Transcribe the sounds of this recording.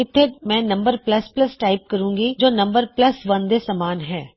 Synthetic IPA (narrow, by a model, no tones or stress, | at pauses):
ɪt̪ʰemɛ̃ːnɐ̃mbəɾplɐsplɐsʈaːɪp̚kɐɾũːŋɡid͡ʒoːnɐ̃mbəɾplɐsʋɐnd̪esɐmaːnɦɛː